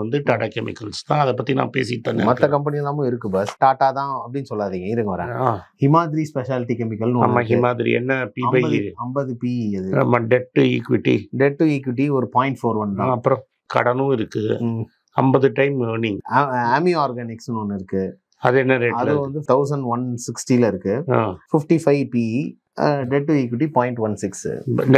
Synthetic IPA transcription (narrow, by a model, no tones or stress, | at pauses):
ʋɐnd̪ɯʈaːʈaːkɛmɪ̰kːɐlst̪ãːɐðɐpːɐt̪ːinã̰ːpḛːsɪʈpːɐnːḛ̃mɐt̪ːɐkɐmpɐnɪjɐlːãːmʊ̃ɪɾɯkːɯbɐsʈaːʈːaːt̪ãːɐp̬ːɐɽɪnːɯsɔlːaːðiːŋɡɐɪðɯŋɡɐʋɐɾḛ̃ːaːhɪmaːðɪɾispɛʃaːlɪʈikɛmɪkːɐlnɯa̰ːmaːɦɪmaːðɪɾḭɛ̰nːɐpiːɐmbɐbɐɐmbɐðɯpiːɐðɯamaːɖɛʈːɯḭːkʋɪʈːḭɖɛʈːɯiːkʋɪʈ̬ːiɔɾɯpaːɪ̃ɳʈfoːɾʋɐnd̪ãɐpːɯɾɔ̃ | kɐ̰ɽɐnɯ̃ɪɾɯkːɯ | ɐmbɐðɯʈɐɪmoːniŋɡɐɐmiaːɾɡɐnɪksnonːɪɾɯkːɯ | ɐðɯɛnːɐɾeʈɐðɯʋɐnd̪ɯt̪ɐʊs̬ɐɳɖʋɐnsɪksʈilɐɪɾɯkːɯa̰ːfɪfʈifɐɪpiː | ɖɛʈːuiːkʋɪʈ̬ipãːɪ̃ɳʈʋɐnsɪks